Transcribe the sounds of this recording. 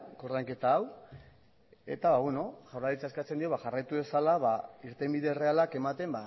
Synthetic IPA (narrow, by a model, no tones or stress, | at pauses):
ko̞ɾðajŋke̞t̪aːw | e̞̰t̪aβaβweno̞ʝawɾaɾit͡saeskat͡se̞nd̪io̞βaʝarajt̪uβe̞salaβaiɾt̪e̞mbiðe̞re̞alake̞mat̪e̞mba